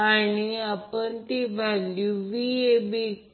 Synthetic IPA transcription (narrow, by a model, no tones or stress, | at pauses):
aniapəɳt̪iʋʱaljuʋiebi